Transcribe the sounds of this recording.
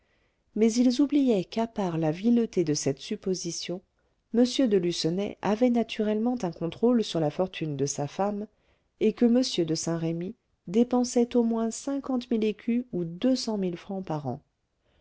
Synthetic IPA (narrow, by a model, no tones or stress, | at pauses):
mɛzilzublijɛkapaʁlavilət̪ed̪əsɛt̪sypozisjɔ̃ | məsjød̪əlysənɛ̰ʔavɛnat̪ʰyʁɛlmɑ̃t̪ɛ̃kɔ̃t̪χolsyʁlafɔʁt̪ʰynd̪əsafam | ekəməsjød̪əsɛ̃ʁemi | d̪epɑ̃sɛt̪omwɛ̃sɛ̃kɑ̃t̪milekʲʰyud̪øsɑ̃milfχɑ̃paʁɑ̰̃